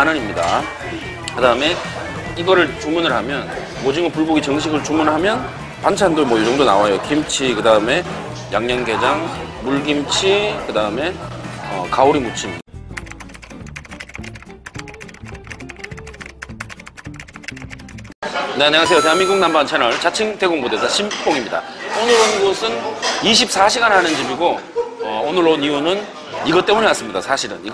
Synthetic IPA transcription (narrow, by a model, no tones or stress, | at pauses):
anɯnimɲida | kɯdaɯme̞ | iɡʌɾɯɭt͡ɕuŋmunɯɭɦamjʌn | mod͡ʑiŋɯpuɭboɡit͡ɕʌŋɕʰiɡɯɭt͡ɕuŋmunɭɦamjʌn | pant͡ɕʰandomwʌjud͡ʑʌŋdonawajokimt͡ɕʰikɯdaɯme̞ | jaŋɲʌnɡe̞d͡ʑaŋmuɭɡimt͡ɕʰikɯdaɯme̞ʌ̰kauɾimut͡ɕʰim | ne̞aneŋas̬ʰejoteamːiɡuŋnambant͡ɕʰenʌɭt͡ɕat͡ɕʰiŋte̞ɡoŋbodesʰaɕʰimp͈oŋimɲida̰onɯɾonɡosʰɯniɕ̬ʰip̚s͈aɕʰiɡanɦanɯnd͡ʑibiɡoʌonɯɾonijunɯn | iɡʌt͈e̞muɲeas͈ɯmɲidasʰaɕʰiɾɯ̰nḭ